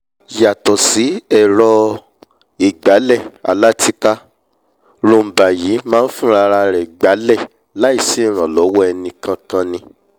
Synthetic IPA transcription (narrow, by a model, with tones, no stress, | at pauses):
ja˨tɔ˨si˨˦ɛ˦˨ɾɔ˧ | i˨ɡ͡ba˨˦lɛ˦˨a˨la˦ti˦ka˦ | ɾõ˧˨m̩˨ba˨ji˨˦mãː˦n̩˦fũ˦˨ɾa˧ɾa˧ɾɛ˨ɡ͡ba˨˦lɛ˦˨ | la˨˦i˦˨si˦˨ɾ̃ã˨lɔ˨˦wɔ˦ɛ˧nĩ˧kã˧kã˦˧nĩ˧